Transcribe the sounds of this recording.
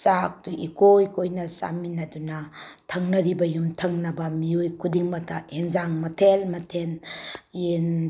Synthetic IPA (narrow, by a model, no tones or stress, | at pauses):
sak̚tuʔikojkojnɐsa̰minɐdunɐtʰɐŋnɐɾibɐjumtʰɐŋnɐbɐmiojkʰudiŋmɐtʰaeŋzaŋmɐtʰelmɐtʰenen